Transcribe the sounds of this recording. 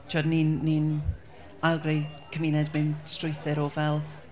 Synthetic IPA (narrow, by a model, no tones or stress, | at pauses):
t͡ʃʰɔdniːnːin | ajlˠɡrejkʰəminɛdmɪmstrʊɨθɨɾɔvɛlˠ